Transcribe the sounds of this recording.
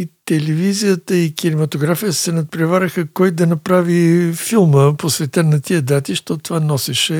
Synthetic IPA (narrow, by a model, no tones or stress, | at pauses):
it̪ɛlɛvizijət̪əikinɛmɐt̪oɡɾafijəsɛnɐt̪̚pɾɛvaɾʲəxəkɔjd̪ɐnɐpɾavifilˠməposvɛt̪ənɐt̪iəd̪at̪iʃt̪ɔt̪vanɔsɛʃɛ